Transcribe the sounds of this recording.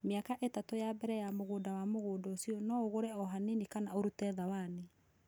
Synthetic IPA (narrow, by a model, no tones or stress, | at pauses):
meakaʔetatojabɛɾɛjamoɣoːdawamoɣoːdɔsiɔnɔoɣoɾɛɔɦanenikanaoɾutɛðawane